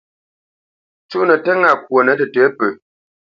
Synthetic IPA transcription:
t͡ʃu˦ʔnə˨tə˦ŋa˨k̚wo˨nə˨˦tə˨tɛ˨˦pə˨

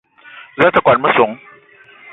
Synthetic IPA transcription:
za˦tə˦kwa˨n̚mə˦so˨˦ŋ

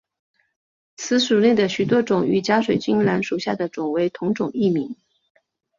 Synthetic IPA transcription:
t͡sʰɹ̩˧˥ʂu˨˩ne˥˩ɪd̪ə˩ɕy˨˩t̪wɔ˥ʈ͡ʂʊ˨˩ŋy˨˩t͡ɕja˥ʂwe˨˩ɪt͡ɕy˥ŋla˧˥nʂu˨˩ɕja˥˩d̪ə˩ʈ͡ʂʊ˨˩ŋwe˧˥ɪt̪ʰʊ˧˥ŋʈ͡ʂʊ˨˩ŋi˥˩mi˧˥ŋ

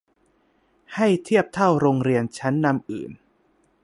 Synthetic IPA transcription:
ha˥˩jt̪ʰi˥˩əp̚t̪ʰa˥˩wɾoː˧ŋɾi˧ənt͡ɕʰa˦˥nːa˧mʔɯ̰ː˨˩n

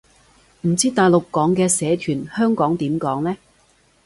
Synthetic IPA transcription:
m̩˨˩t͡siː˥t̪aː˨˩jlʊ˨kːɔː˨˥ŋkɛː˧sɛː˨˥t̪ʰyː˨˩nhœː˥ŋkɔː˨˥ŋt̪iː˨˥mkɔː˨˥ŋlɛː˥

